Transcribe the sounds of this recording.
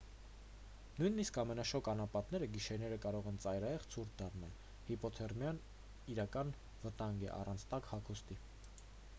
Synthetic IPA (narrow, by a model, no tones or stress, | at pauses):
nujniskɑmɛnɑʃɔkɑnɑpɑt̪nɛɾəɡiʃɛɾnɛɾəkɑɾɔʁɛnt͡sɑjɾɑjɛʁt͡sʰuɾk̪ʰd̪ɑrnɑl | hipɔt̪ʰɛrmjɑn | iɾɑkɑn | vət̪ɑŋɡɛ̰ʔɑ̰rʔɑnt͡sʰt̪ɑkhɑkʰust̪i